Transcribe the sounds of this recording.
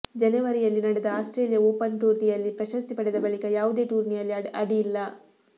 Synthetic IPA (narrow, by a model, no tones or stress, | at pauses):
d͡ʒɐnɐʋɐɾijɐlːinɐɽɛd̪ɐaːsʈɾe̞ːlijɐoːpɐnʈuːɾnijɐlːipɾɐʃɐst̪ipɐɽɛd̪ɐbɐɭikɐjaːʋud̪e̞ːʈuːɾnijɐlːiɐɽijilːɐ